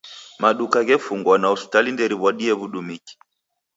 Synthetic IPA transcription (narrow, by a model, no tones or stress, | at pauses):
maɗukaɣɛfuŋɡwanausi̥talindɛɾiβwaɗiɛβuɗumiki̥